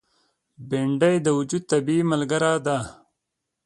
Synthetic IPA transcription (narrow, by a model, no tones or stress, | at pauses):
beɳɖɐjd̪ɐwud͡ʒud̪̚t̪ɐbiːmɐlɡɐɾaːd̪aː